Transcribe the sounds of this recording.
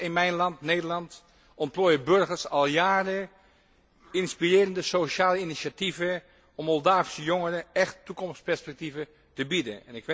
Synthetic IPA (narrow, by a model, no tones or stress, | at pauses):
ɪnmɛjnlɑntneːdəlɑnt | ɔmploːjəbøɹɣəɹsɑlˠjaːrə | ɪnspirɪːɾəndəsoʃaːləinisativə | ɔmːɔlˠdaːfsəjoŋərəɛxtːukɔmftspɛɹspɛk̚tivə | təbidə̰nɛnɪkʋ